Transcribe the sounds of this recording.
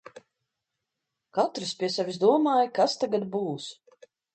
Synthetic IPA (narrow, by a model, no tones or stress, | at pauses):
kat̪ɾɨspʲiɛsavʲizd̪uɔmaːjkast̪aɡad̪buːs